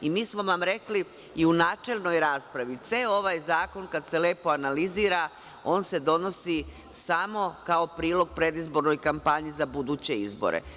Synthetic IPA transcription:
imiːsmo̞ʋamɾe̞kli | iunaːt͡ʃe̞lˠno̞jɾaːspɾaʋit̪seo̞ʋajzaːko̞nkad̪se̞le̞ːpo̞analiziːɾa | o̞ːnse̞d̪o̞no̞si | samo̞kao̞pɾiːlo̞ɡ̚pɾe̞d̪izbo̞ɾno̞jkampaɲizabud̪uːt͡ɕe̞izbo̰ɾḛ

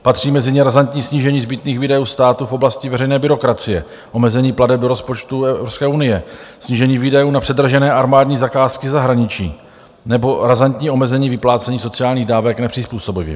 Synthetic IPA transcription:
pat̪r̝̥iːmɛzɪɲɛɾazant̪ɲiːsɲiːʒɛɲiːzbɪt̪niːɣviːdajuːst̪aːt̪ufo̞blascɪvɛɾɛjnɛːbɪɾo̞kɾat͡sɪjɛ | ʔo̞mɛzɛɲiːpladɛb̚do̞ɾo̞spo̞t͡ʃt̪uɛɾopskɛːunɪjɛsɲiːʒɛɲiːviːdajuːnapr̥ɛdr̩ʒɛnɛːʔaɾmaːdɲiːzakaːskɪzaɦɾaɲɪt͡ʃḭː | nɛbo̞ɾazant̪ɲiːʔo̞mɛzɛɲiːvɪplaːt͡sɛɲiːso̞t͡sɪjaːlɲiːɣdaːvɛknɛpr̥ɪspuːso̞bɪvjɛ̰

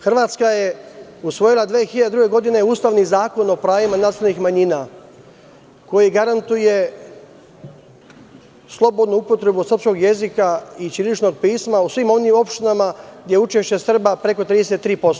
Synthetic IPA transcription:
xrʋaːt̪skaje̞usʋo̞jilˠad̪ʋeːxiʎad̪ed̪ɾuɡe̞ɡo̞d̪ine̞uːst̪aʋnizaːko̞no̞pɾaːjimanaslnixmaɲina | ko̞jiɡaɾant̪uje̞ | slˠo̞bo̞d̪nuupo̞t̪ɾe̞busr̩psko̞ɡje̞zikait͡ʃilit͡ʃno̞ɡ̚piːsmausʋiːmo̞nimo̞pʃt̪inamaɡd̪ʲjeut͡ʃe̞ʃt͡ɕe̞sr̩bapɾe̞ko̞t̪ɾiːd̪eset̪ːɾiːpo̞st̪o

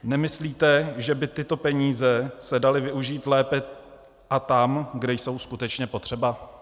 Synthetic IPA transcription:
nɛmɪsliːt̪ɛʒɛbɪt̪ɪt̪o̞pɛɲiːzɛsɛdalɪvɪuʒiːt̪lɛːpɛ | ʔat̪amɡdɛjso̞wskut̪ɛt͡ʃɲɛpo̞t̪r̝̥ɛba

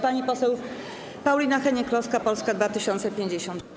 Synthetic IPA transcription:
paɲipɔsɛw | pawlʲinaxɛɲɛklɔskapɔlskad̪vat̪ɘɕɔnt̪sɛpʲjeɲd͡ʑeɕɔnt̪

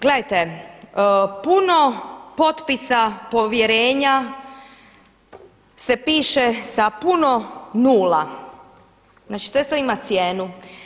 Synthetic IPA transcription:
ɡle̞d̪ajt̪e | puno̞po̞t̪pisapo̞ʋjeɾeːɲa | sepiːʃesapuno̞nuːla | znaːt͡ʃit̪oest̪oimat̪sjeːnu

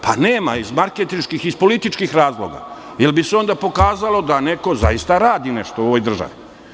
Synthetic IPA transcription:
paneːma̰izmaɾket̪inʃkixispo̞lit̪it͡ʃkixɾaːzlˠo̰ɡa̰ | jelbiseo̞nd̪apo̞kaːzalo̞d̪aneko̞za̰jist̪aɾaːd̪ineʃt̪ooʋojd̪r̩ʒa̰ʋi

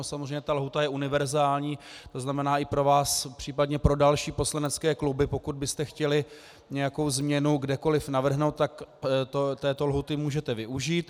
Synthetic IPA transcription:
osamozreɛjɲɛt̪alɦut̪ajɛʔunɪvɛɾzaːlɲiːt̪oznamɛnaːʔɪpɾo̞vaːspr̥iːpadɲɛpɾo̞dalʃiːpo̞slanɛt͡skɛːklubɪpo̞kud̪̚bɪst̪ɛxcɛlɪ | ɲɛjako̞wzmɲɛnuɡdɛko̞lɪfnavr̩ɦnowt̪t̪akt̪ot̪ɛːt̪o̞lɦut̪ɪmuːʒɛt̪ɛvɪʔuʒiːt̪

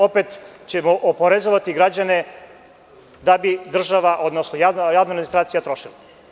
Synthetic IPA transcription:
opet̪t͡ɕemoʔopoɾezoʋat̪iɡɾad͡ʑane | d̪abid̪r̩ʒaʋaʔo̞d̪nosnojaːvnajaːvnod̪minist̪ɾaːt̪sijat̪ɾo̞ʃila

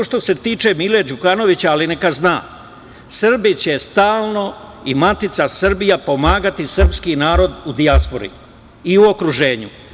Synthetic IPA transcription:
oʃt̪o̞se̞t̪iːt͡ʃe̞miled͡ʑukano̞ʋit͡ɕaːlinekaznaː | sr̩bit͡ɕe̞st̪aːlˠno̞imat̪it̪sasr̩bijapo̞maːɡat̪isr̩pskinaːɾo̞d̪ud̪iaspo̞̰ɾḭ | iuo̞kɾuʒe̞ːɲu

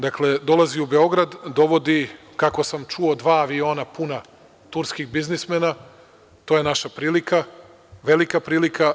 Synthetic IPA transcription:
d̪akle̞d̪o̞lˠaziube̞o̞ɡɾad̪d̪o̞ʋo̞d̪i | kako̞samt͡ʃuo̞d̪ʋaːʋio̞ːnapuna | t̪uɾskiɣbiznismena | t̪oːjenaʃapɾiːlika | ʋe̞likapɾiːlikʰa

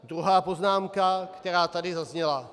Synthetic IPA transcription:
d̪ɾuɦaːpo̞znaːmkakt̪ɛɾaːt̪adɪzazɲɛla

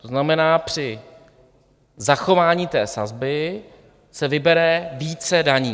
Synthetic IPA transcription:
t̪oznamɛnaːpr̝̥ɪ | zaxo̞vaːɲiːt̪ɛːsa̰zbɪ | sɛvɪbɛɾɛviːt͡sɛdaɲiː

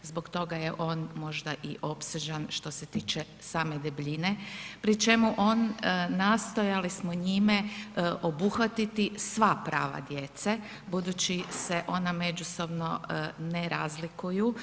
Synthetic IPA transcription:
zboɡt̪o̞ɡaje̞ʔo̞ːnmo̞ʒd̪aʔiʔo̞pseʒanʃt̪o̞se̞t̪iːt͡ʃe | saːme̞d̪ebʎinepɾit͡ʃe̞muʔo̞ːnːast̪o̞jalismoɲimeʔobuxʋat̪it̪isʋapɾaːʋa̰d̪jet̪se | bud̪uːt͡ɕiseʔo̞name̞d͡ʒuso̞bno̞neɾazlikuju

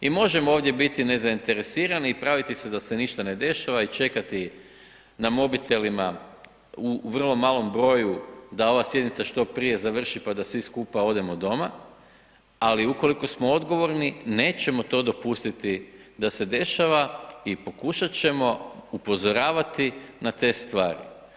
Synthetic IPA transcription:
imo̞ʒe̞mooːʋd̪je̞bit̪ine̞zaint̪e̞ɾe̞siːɾaniːpɾaʋit̪ise̞d̪ase̞niʃt̪ane̞d̪e̞ʃaʋait͡ʃe̞kat̪i | namo̞bit̪e̞lima | uʋr̩lˠo̞maːlo̞mbɾo̞jud̪ao̞ʋasje̞d̪nit̪saʃt̪o̞pɾije̞zaʋr̩ʃipad̪asʋiskuːpao̞d̪e̞mod̪o̞ma | aliuko̞liko̞smo̞od̪ɡo̞ʋo̞ɾnine̞ːt͡ɕe̞mo̞t̪o̞d̪o̞pust̪it̪id̪ase̞d̪e̞ʃaʋaipo̞kuʃat͡ɕe̞mo̞upo̞zo̞ɾaːʋat̪inat̪e̞ːst̪ʋaːɾḭ

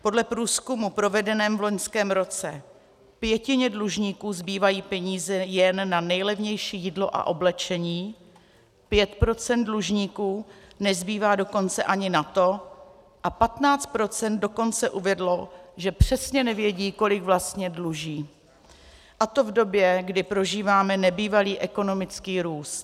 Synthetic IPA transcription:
po̞dlɛpɾuːskumupɾo̞vɛdɛnɛːmvlo̞ɲskɛːmɾo̞t͡sɛ | pjɛcɪɲɛdluʒɲiːkuːzbiːvajiːpɛɲiːzɛjɛnːanɛjlɛvɲɛjʃiːjidlo̞ʔa̰ʔo̞blɛt͡ʃɛɲiː | pjɛt̪pɾo̞t͡sɛnt̪̚dluʒɲiːkuːnɛzbiːvaːdo̞ko̞nt͡sɛʔaɲɪnat̪o̞ | ʔapat̪naːt͡st̪̚pɾo̞t͡sɛnt̪̚do̞ko̞nt͡sɛʔuvɛdlo̞ʒɛpr̝̥ɛsɲɛnɛvjɛɟiːko̞lɪɡvlast̪ɲɛdluʒiː | ʔat̪ovdo̞bjɛɡdɪpɾo̞ʒiːvaːmɛnɛbiːvaliːʔɛko̞no̞mɪt͡skiːɾuːst̪

